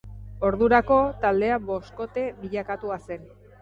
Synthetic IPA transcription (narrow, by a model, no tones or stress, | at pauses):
o̞ɾðuɾako̞t̪ald̪e̞abo̞sko̞t̪e̞βiʎakat̪uase̞n